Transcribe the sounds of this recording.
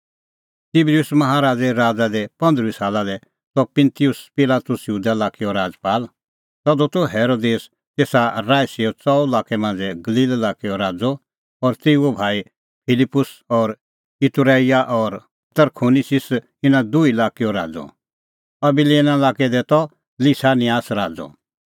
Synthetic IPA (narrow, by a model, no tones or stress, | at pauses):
t̪iblijʊsmɐɦaɾaːd͡zɛɾaːd͡zad̪ɛpɐ̃nd̪ɾisaːlad̪ɛ | t̪ɔpɪ̃nt̪ijʊspɪlaːt̪ʊsjuːd̪alaːkiɔɾaːd͡zpaːl | t̪ɔd̪ɔt̪ɔɦɛːɾoːd̪eːs | t̪eːsaɾaːjsiɔt͡sɔulaːkɛmãːn̆d͡zɛɡɐliːlɛlaːkiɔɾaːd͡zɔ | ɔːɾt̪eːuobʱaːi | pʰɪlɪpːʊsɔːɾ | ɪt̪uɾaːijaʔɔːɾ | t̪əɾkʰoːnisɪs | ɪnãd̪uilaːkiɔɾa̰ːd͡zɔ̰ | ɐbileːnalaːkɛd̪ɛt̪ɔ | lisaːnɪjaːsɾaːd͡zɔ̰